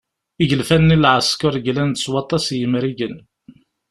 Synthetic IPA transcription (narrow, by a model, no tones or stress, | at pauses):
iʝəlfænːilʕəskəɾˤɡlænt̪ə̥swɑt̪ˤːɑsjəmɾiʝən